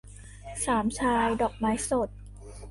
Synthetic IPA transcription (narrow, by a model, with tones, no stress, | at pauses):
saː˩˦mt͡ɕʰaː˧˥wdɔː˨˩k̚maː˦˥jso˨˩t̪̚